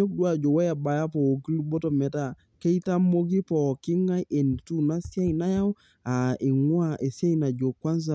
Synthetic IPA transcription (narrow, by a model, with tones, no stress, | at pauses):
o˦k̚du˦a˨d͡ʒɔ˨wɛ˦ja˨ba˨ja˦pɔ˨o˨ɡi˦lu˦bɔ˦tɔ˨mɛ˨ta˨ | ke˦jta˦mo˦ɡi˦pɔ˨ki˦ŋa˦jʔe˨n˨tu˦na˦si˦a˦jna˦ja˦w | a˨i˨ŋwa˦ʔe˨sja˦jna˨d͡ʒo˨kwa˦ns̬a˨